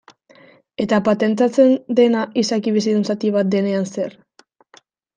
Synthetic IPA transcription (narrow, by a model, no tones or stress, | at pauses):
e̞t̪apat̪e̞nt̪̬at͡se̞nd̪e̞naisakiβisiðensat̪iβ̞at̪̚d̪e̞ne̞anse̞ɾ